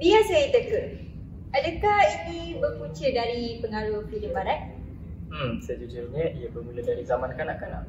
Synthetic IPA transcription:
biasajət̪əkə | adəkahinibəput͡ʃədaɾipəŋaɾuhfidəmaɾat | m̩msəd͡ʒud͡ʒulɲə̃ijabəmulədaɾizamankanaʔkana̰ʔ

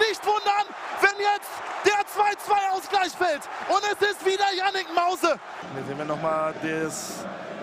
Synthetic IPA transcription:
nɪçtv̥ʊndɐnvɛnjɛt͡std̥eːɐt͡sv̥aɪt͡sv̥aɪaʊsɡ̥laɪçfɛltʔʊntɛsɪstv̥iːdeːɐjanɪkmaʊzə | viːzeːnviːɐnɔχmaːldes

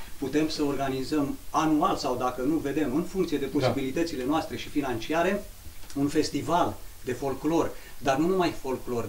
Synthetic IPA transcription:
put̪e̞msəo̞rɡanizəmanualsawd̪akənuve̞d̪e̞mɨnfuŋkt̪sie̞d̪e̞po̞ssibilit̪ət̪sile̞noast̪ɾe̞ʃifinant͡ʃiaɾe̞ | unfe̞st̪ivald̪e̞fo̞lklo̞rd̪arnunumajfo̞lklo̞r

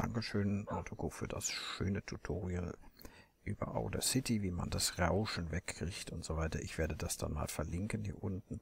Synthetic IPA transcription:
d̥a̰ŋkəʃøːnmɔtʰokoːfyːɐda̰sʃøːnətʰutʰoːʁiəl | ʔyːb̥ɐ̰ʔa̰ʊdɐsɪtʰiviːma̰ndasʁaʊʃn̩vɛkʰːʁ̥ɪçtʊntz̥ovaɪtɐʔɪçv̥eːɐdədasd̥a̰nma̰ːlfɛɐlɪŋkənhiːɐʔʊntn̩

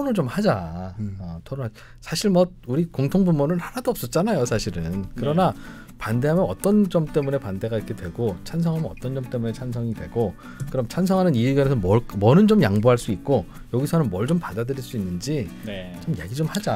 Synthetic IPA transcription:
oɾot͡ɕomhad͡ʑaʌtʰʌnoad͡ʑ | sʰaɕʰiɭmʌd̚uɾikoŋtʰoŋbumunɯɭhaɾadoʌp̚s͈ʌt̚t͡ɕ͈anajosʰaɕʰiɾɯnkɯɾʌna | pande̞ɦamjʌnʌt͈ʌnd͡ʑʌmt͈e̞mune̞pande̞ɡaiɾkʰe̞dwe̞ɡot͡ɕʰansʰʌŋɦamjʌnʌ̰t͈ʌnd͡ʑʌmt͈e̞mune̞t͡ɕʰans̬ʰʌŋidwe̞ɡo | kɯɾʌmt͡ɕʰans̬ʰʌŋɦanɯnieɡjʌnesʰʌmʌmwʌnɯnd͡ʑomjaŋboɦaɭs͈uik̚k͈o | jʌɡisʰʌnɯnmʌɭd͡ʑompadadɯɾiɭs͈uinːɯnd͡ʑit͡ɕomjḛɡid͡ʑomhad͡ʑa

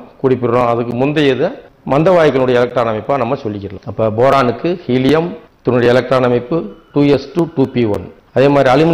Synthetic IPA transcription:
kuːɽɪpːɪɾɾõːɐðɯkːɯmʊnd̪ɐjɛðɐmɐnd̪ɐʋaːjɐkːɐlʊɽɐjɐɪlɐk̚ʈɾaːnɐmɐɪpːaːnɐmːɐsɔlːɪkːɪɾɐlã̰ɐpːɐːboːɾaːnɯkːɯhiːlɪjɐm | t̪ʊnːʊɽɐjɐɛlɐk̚ʈɾaːnɐmɪpːɯʈuːɛsʈuʈuːpiʋɐ̰n | ɐðeːmaːd̪ɾiɐlɪmɪ

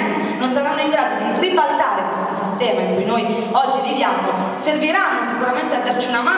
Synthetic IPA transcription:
i | nonsaɾanːoiŋɡɾaːd̪od̪iribalt̪aːɾekwest̪osist̪ɛːmaiŋkujnoj | ɔd͡ʒːivivjamo | serviɾanːosikuɾament̪ead̪ːart͡ʃiunama

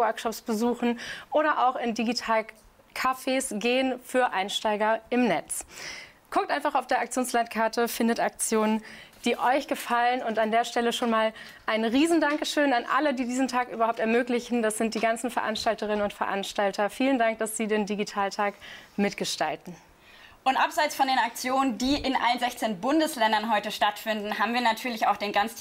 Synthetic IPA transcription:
wœɐkʃɔpsb̥əzuːxn̩ʔoːɾɐʔaʊxɪndiɡitʰaːl | kʰafeːsɡeːənfyːɐʔaɪnʃtaɪɡɐɪmnɛt͡s | kʰʊk̚tʔaɪnfaχaʊfd̥eːɐʔak̚t͡sjoːnslantkʰaɐtəfɪndətak̚t͡sjoːnənd̥iːʔɔʏçɡ̥əfalənʊntandeːɐʃtɛləʃoːnmaːl | ʔaɪnʁiːzn̩daŋkəʃøːnanʔa̰lədiːdiːzn̩tʰaːkʔyːbɐhaʊp̚tɛɐmøːklɪçn̩d̥asz̥ɪnt̚d̥iːɡant͡sn̩fɛɐʔa̰nʃtaltəʁ̞ɪnənʊntfɛɐʔanʃtaltʰɐfiːləndaŋk̚d̥asz̥iːdeːndiɡitʰaːltʰaːkmɪtɡ̥əʃta̰ltn̩ | ʔʊntʔapz̥aɪt͡sfɔndeːnak̚t͡sjoːnəndiːʔɪnʔa̰lənzɛçt͡seːnbʊndəslɛndɐnɦɔʏtəʃtatfɪndn̩haːbmviːɐnatʰyːɐlɪçaʊxd̥eːnɡant͡s

